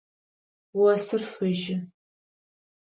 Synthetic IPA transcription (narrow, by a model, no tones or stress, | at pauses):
wɐsɨrfɨʒɪ